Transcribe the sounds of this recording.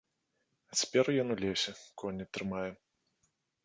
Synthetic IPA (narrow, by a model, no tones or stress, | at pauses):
ɐt͡sʲḁpʲɛrjɔnulʲɛsʲɛkʰɔnʲːɪɐt̪ːɾɨmajɛ